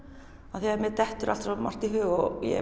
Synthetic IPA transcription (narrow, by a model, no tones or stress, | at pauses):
aðθiaaɾmɛt̪ɛht̪ʏɾa̰lt̪sama̰r̥t̪iɦʏːɣɔjɛ̰